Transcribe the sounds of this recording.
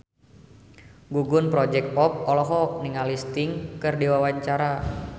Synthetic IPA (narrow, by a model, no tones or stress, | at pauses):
ɡuɡʊnpɾɔd͡ʒɛk̚t̪̚pɔp̚ɔlɔɦɔk̚niŋalist̪ɪŋkɨrdiwawaɲt͡ʃaɾa